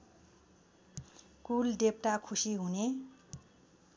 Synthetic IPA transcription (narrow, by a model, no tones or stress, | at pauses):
kulɖep̚ʈakʰusiɦune